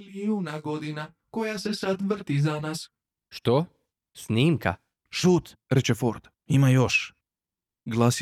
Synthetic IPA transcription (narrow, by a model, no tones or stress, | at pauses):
liuːnaɡod̪ina | kojasesad̪ʋr̩t̪izanas | ʃt̪o | sniːmka̰ | ʃuːt̪ | ɾet͡ʃefoɾd̪̥ | imajoʃ | ɡlˠas